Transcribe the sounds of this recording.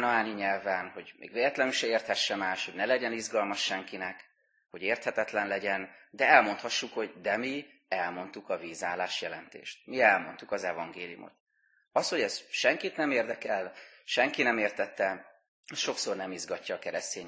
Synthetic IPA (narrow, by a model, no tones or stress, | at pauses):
nɒaːniɲɛlvɛnho̞ɟmʔḛːɡveːlɛt̪lɛnyʃɛeːrt̪hɛʃːɛmaːʃho̞ɟnɛlɛɟɛnizɡɒlmɒʃːɛŋkinɛk | ho̞ɟeːrt̪hɛt̪ɛt̪lɛnlɛɟɛnd̪ɛɛlmo̞nt̪hɒʃːukho̞ɟd̪ɛmi | ɛlmo̞nt̪ukɒviːzaːlaːʃjɛlɛnt̪ḛːʃt̪̚miɛlmo̞̰nt̪ukɒzɛvɒŋɡeːlḭjṵmʔo̰t̪ | ɒsho̞ɟɛsʃɛŋkit̪nɛmeːrd̪ɛkɛlʃɛŋkinɛmeːrt̪ɛt̪ːɛ | ʃo̞kso̞rnɛmizɡɒcːɒːkɛɾɛst̪eːɲ